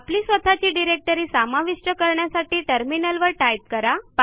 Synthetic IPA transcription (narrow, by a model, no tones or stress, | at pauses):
apliːsʋət̪ʰat͡ɕiːɖiɾek̚ʈəɾiːsamaʋiʂʈəkəɾɳjasaʈiːʈəɾminəlʋəɾʈajp̚kəɾap